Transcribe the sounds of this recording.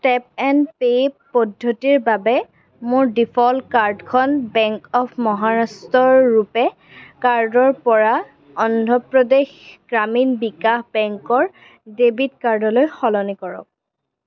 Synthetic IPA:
tɛp̚ɛnpeppɔdʱːotiɹbabɛ | mʊɹdipʰɔlkaɹdkʰɔnbɛŋkɔpʰmɔɦaɹastɔɹːupɛ | kaɹdɔɹpɔɹa | ɔndʱɔpɹɔdexɡ̥ɹaminbikahbɛŋkɔɹ | debʱidkaɹdɔlojxɔlɔnikɔɹɔ̰k̚

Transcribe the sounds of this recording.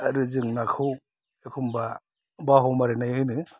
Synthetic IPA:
ɾɯzɯŋnakʰɯw | ekʰumba | baɦɔmaɾenajhɯjnɯ

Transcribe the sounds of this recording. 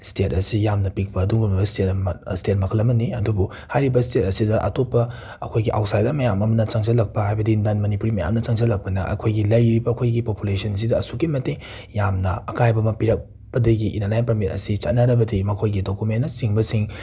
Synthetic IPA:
stet̚ɐsijamnɐpik̚pɐːduŋbumɐbɐstetɐmstet̚mɐkʰɐlɐmɐniɐdubu | hajɾibɐstet̚ɐsidɐʔɐ̰topːɐ | ɐkʰojɡiʔa̰wt̚sajdɐmɐjamɐmɐnɐt͡ʃɐŋt͡ʃɐlɐk̚pɐhajbɐdindanmɐnipuɾimɐja̰mnɐt͡ʃɐŋzɐlɐk̚pɐnɐʔɐ̰kʰojɡilɐjɾibɐːkʰojɡipopulesɐns̬idɐːsukimɐteŋ | jamnɐɐkajbɐmɐpiɾɐk̚ | b̥ɐdɐɡiʔinanajnpɾɐmitɐ̰sit͡ʃɐtnɐɾɐbɐdimɐkʰojɡidokumenːɐsiŋbɐsiŋ

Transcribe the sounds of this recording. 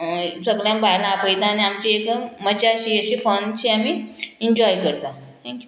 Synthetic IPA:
səɡljãmbaɾnapəjt̪aːniamt͡ɕiek̪əmːət͡ɕaɕiəɕifənt͡ɕiamiiɲd͡ʑɔjkəɾt̪a | t̪ʰɛ̃ŋkju

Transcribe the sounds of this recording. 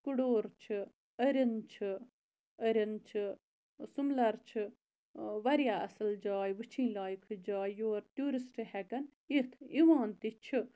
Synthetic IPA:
kuɽoːɾt͡ʃʰɨ | əɾint͡ʃʰɨ | əɾint͡ʃʰɨ | sumlɐɾt͡ʃʰɨ | ʋɐɾjaɐsɨld͡ʒɑːjʋɨt͡ʃʰĩːlaːjikʰɨd͡ʒaːjjoːɾt̪ʲjuːɾisʈɨhɛkɐn | it̪ʰiʋãːnt̪it͡ʃʰɨ

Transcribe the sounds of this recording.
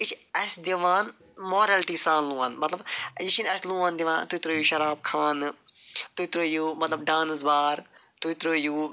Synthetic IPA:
it͡ʃʰɐsʲd̪iʋaːn | moːɾelʈiːsaːnlũːaːnmɐt̪lɐbjit͡ʃʰinɐsʲlũːaːnd̪iʋãːt̪ut̪ɾoːjuːʃɐɾaːb̚kʰaːn | t̪ut̪ɾoːjuːmɐt̪lɐbɖãːnzbaːɾ | t̪ut̪ɾoːjuː

